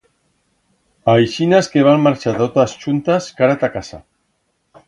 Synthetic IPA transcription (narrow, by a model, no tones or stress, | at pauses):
ajʃinaskeβ̞anmmaɾt͡ʃat̪ot̪ast͡ʃunt̪askaɾat̪akasa̰